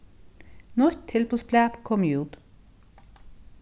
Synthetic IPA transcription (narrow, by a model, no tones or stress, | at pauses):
nɔɾt̪ʰɪlpʰoːsplæːpkʰɔmjuːd̪